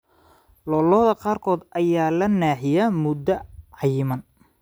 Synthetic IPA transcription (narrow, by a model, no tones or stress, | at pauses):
lɔlɔːðɐqɑːrkʰɔːd̪ʔɐjaːlɐnaːħɪjɐmʊd̪ːɐʕɑjmɐn